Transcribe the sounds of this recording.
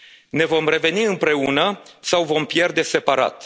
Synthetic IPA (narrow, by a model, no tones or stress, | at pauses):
ne̞vo̞mre̞ve̞niɨmpɾe̞unəsawvo̞mpje̞rd̪e̞se̞paɾa̰t̪